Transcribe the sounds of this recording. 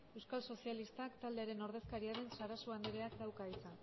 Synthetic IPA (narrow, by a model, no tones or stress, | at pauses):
e̞wskalso̞sialist̪akt̪ald̪e̞aɾe̞no̞ɾðe̞skaɾiaɾe̞nsaɾasuand̪eɾeakd̪awkait͡sa